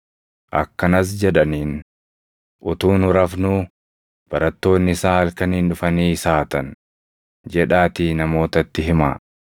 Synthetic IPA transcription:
ʔɐkːɐnɐs̬d͡ʒɛᶑɐniːn | ʔʊt̪uːnʊɾɐfnʊː | b̥ɐɾɐt̪ːo̞ːnːɪsaːɐlkɐniːnᶑʊfɐniːsaːt̪ɐn | d͡ʒɛᶑaːt̪iːnɐmo̞ːt̪ɐt̪ːɪɦɪma̰ː

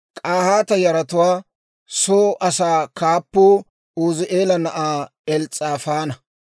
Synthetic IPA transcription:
kʼaːhaːt̪ɐjɐɾɐt̪ʊwaː | soːʔɐsaːkaːpːoː | oːzɪʔeːlɐnɐʔaː | ɛlt͡sʼaːfaːnɐ

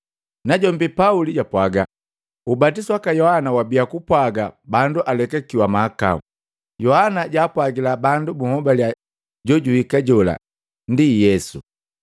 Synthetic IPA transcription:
naɟɔmbipauliɟapwaɡa | ubatiswakajɔhanawabijakupwaɡabanduʔalɛkakiwamaːka̰ṵ | jɔhanaɟaːpwaɡilabandubuhɔbalja | ɟɔɟuhikaɟɔla̰ | ndijɛsṵ

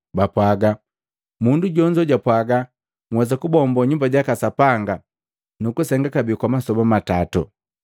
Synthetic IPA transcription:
bapwaɡa | munduɟɔɲd͡ʒɔɟapwaɡa | ŋwɛzakubɔmbɔɲumbaɟakasapaŋɡa | nukusɛŋɡakabikwamasɔbamatatṵ

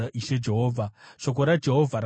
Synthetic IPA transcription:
aʔiʃed͡ʒeɦoːvaʂok̬oɾad͡ʒeɦovʱaɾa

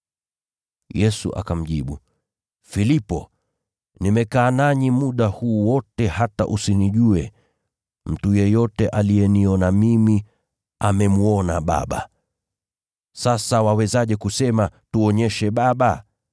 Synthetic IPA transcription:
jɛsṵʔa̰kam̩ʄiɓu | filipɔ̰ | nimɛkaːnaɲimuɗahuːwɔtɛhata̰ʔusiniʄuɛ | m̩tujɛjɔtɛʔalijɛniɔnamimi | amɛmuɔnaɓa̰ɓa̰ | sasawawɛzaʄɛkusɛmatuɔɲɛʃɛɓaɓa

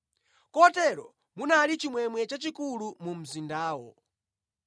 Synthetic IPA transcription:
kɔtɛɾɔ | munalit͡ʃimwɛmwɛt͡ʃat͡ʃikulumum̩zindaːwɔ̰

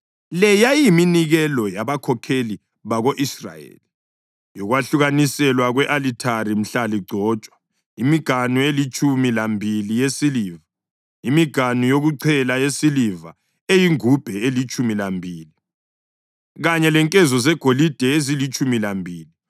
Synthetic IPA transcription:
lɛjajiminiɣɛlɔjaβakʰɔkʰeli | βaɣoʔisra̰jḛːli | jɔɣwaɬuɣanisɛlwaɣwɛʔalitʰarim̩ɬaliɡ͡ǀʱɔːt͡ʃʼwa | imiɡ̥ʱanuelit͡ʃʼumilambʱilijesiliːva | imiɡ̥ʱanujoɣuǀʰɛlajesiliva̰ | ejiŋub̥ʱɛelit͡ʃʼumilambʱiːli | ɣaɲɛlɛŋkʼɛzɔzɛɡ̥ʱolid̥ʱɛezilit͡ʃʼumilambʱiːli

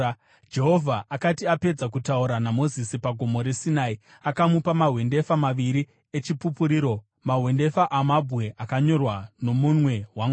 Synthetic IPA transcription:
d͡ʒe̞ɦo̞vʱaʔakatiape̞d͡zak̬utauɾanamo̞zisipaɡʱo̞mo̞ɾe̞sinaːi | akamupamaɦwe̞nde̞famaʋiɾi | et͡ʃipupuɾiːɾo̞ | maɦwe̞nde̞faʔamabʱwe̞ʔakaɲo̞rwano̞munwe̞waŋɡ

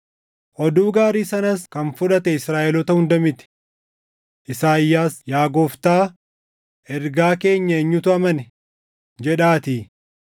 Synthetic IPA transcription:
ʔɔd̪uːɡaːɾiːsɐnɐskɐnfʊᶑɐt̪ɛɪsɾaːʔɛlɔt̪ɐhʊnd̪ɐmɪt̪ɪ̥ | ʔɪsaːɪjːaːsjaːɡoːft̪aː | ʔɛɾɡaːke̞ːɲːɐɛɲːʊt̪ʊɐmɐnɛ | d͡ʒɛᶑaːt̪iː

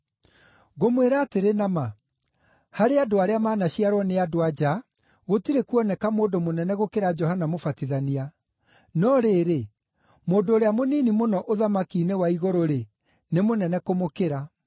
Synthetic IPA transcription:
ɣomweɾaːteɾenama | haɾeadoaɾeamaːnaɕiaɾwɔneadoad͡ʒa | ɣotiɾekuɔnɛkamoːdomonɛnɛɣokeɾad͡ʒɔhanamofatiðania | nɔɾeːɾe | moːndoːɾeamoniːnimonɔʔoðamakiːnewaiɣoɾoɾe | nemonɛnɛkomokeɾa

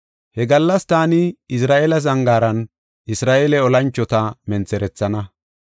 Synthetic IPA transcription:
hɛɡɐlːɐst̪aːnɪɪsɾaːʔelɐzɐŋɡaːɾɐn | ʔɪsɾaːʔelɛɔlɐnt͡ʃːɔt̪ɐmɛnt͡sɛɾɛt͡sːɐnɐ

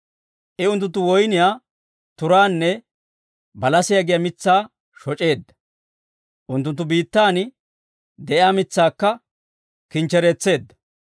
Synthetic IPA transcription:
ʔɪʊnt̪ːʊnt̪ːʊwɔjnɪjaː | t̪ʊɾaːnːɛ | bɐlɐsɪjɐɡɪjɐmɪt͡sːaː | ʃɔt͡ʃʼe̞ːd̪ːɐ̥ | ʔʊnt̪ːʊnt̪ːʊbiːt̪ːaːnɪ | d̪ɛʔɪaːmɪt͡sːaːkːɐ | kɪnt͡ʃːɛɾɛt͡sːe̞ːd̪ːɐ̥

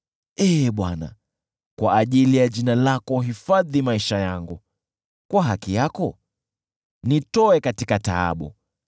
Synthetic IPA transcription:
ɛɓwana̰ | kwaːʄilijaʄinalakɔɦifaðimaiʃajaŋɡu | kwaɦakijakɔ | nitɔɛkatikata̰a̰ɓṵ

